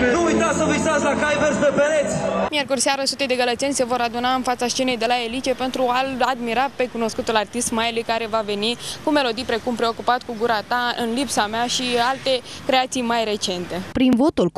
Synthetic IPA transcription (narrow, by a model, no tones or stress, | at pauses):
nuujt̪asəvisat̪sʲlakajversd̪epeɾet̪sʲmje̞rkurʲseaɾəsut̪ed̪e̞ɡələt̪t͡ʃ̪enʲse̞vo̞ɾad̪unaɨnfat̪saʃt͡ʃene̞jd̪e̞lae̞lit͡ʃe̞pe̞nt̪ɾuaad̪miɾape̞kuno̞skut̪ulart̪ist̪majlujkaɾe̞vave̞nikume̞lo̞d̪ijpɾe̞kumpɾe̞o̞kupat̪kuɡuɾat̪aɨnlipsameaʃialt̪e̞kɾe̞at̪sijmajɾe̞t͡ʃe̞nt̪e̞pɾinvo̞t̪ul